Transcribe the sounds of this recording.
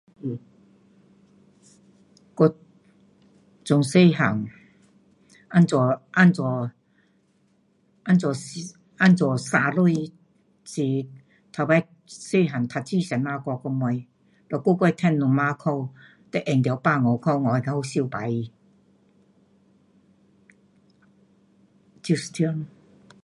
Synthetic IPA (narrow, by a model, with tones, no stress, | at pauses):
kɔ˧ | t͡sʊ˧ŋse˥˧˨ha˨˩ŋ | a˥˨nt͡sɔ˨˧ʔa˥˧nt͡sɔ˨˧ | a˥˧nt͡swɔ˨˩ | a˥˧nt͡swɔ˨˩sa˧lu˥˧ | t͡si˧ | t̪ʰa˨˧˩ba˧˦ | se˥˧ɦa˨˩ŋt̪ʰa˧˩t͡ɕi˥˧˨sɛ˨nmaː˧kɔ˧kɔ˧mɔ˧j | lɔ˨˩ko˥˧kwɔ˥˧jt̪ʰɛ˥˧nːu˨ŋma˧kʰɔ˥˧w | t̪ɛ˧ʔɛ˨ŋt̪̬ja˧wpa˥˧ŋɔ˨˧kʰɔ˥˧wŋɔ˨˧ka˧ho˧si˧˨pa˨˦ji˧ | t͡ɕi˧st̪ʰjɔ˧n